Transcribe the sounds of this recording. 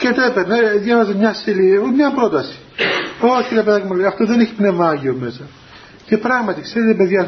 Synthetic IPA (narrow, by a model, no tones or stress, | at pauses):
cet̪epeɾneðjɐvɐzemɲɐsilimɲɐpɾo̞t̪ɐsi̥oiɾiɐpeðɐcemɐleɐft̪oðeneçi̥pne̞vmɐɐʝiomesɐ | ce̞pɾɐɣmɐt̪ikseɾet̪epe̞ðʝɐ